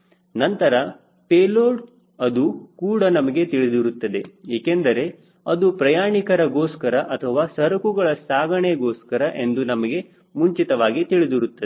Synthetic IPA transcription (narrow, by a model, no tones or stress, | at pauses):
nɐnt̪ɐɾɐ | peːloːɖ | ɐd̪ukuːɽɐnɐmɐɡe̞t̪iɭid̪iɾut̪ːɐd̪e̞eːkend̪ɐɾe̞ | ɐd̪upɾɐjaːɳikɐɾɐɡoːskɐɾɐʔɐt̪ʰɐʋaːsɐɾɐkuɡɐɭɐsaːɡɐɳeɡoːskɐɾɐʔe̞nd̪unɐmɐɡe̞ | muɲt͡ʃit̪ɐʋaːɡit̪iɭid̪iɾut̪ːɐd̪e